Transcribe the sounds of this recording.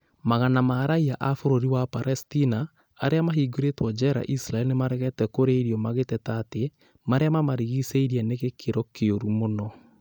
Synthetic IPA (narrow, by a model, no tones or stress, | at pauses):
maɣanamaːɾaiaʔafoɾoɾiwapaɾɛstinaː | ɾeamaɦiɡoɾetwɔd͡ʒɛɾa̰ʔisɾaɛlnemaɾɛɣɛtɛkoɾeiɾiɔmaɣetɛtate | maɾeamamaɾiɣiseiɾiɛneɣekʰeɾɔkeoɾumonɔ